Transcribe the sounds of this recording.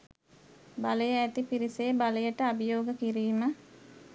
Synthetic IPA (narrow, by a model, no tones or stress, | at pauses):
baləjəæt̪ipiɾiseːbaləjəʈəabijoːɡəkiɾiːmə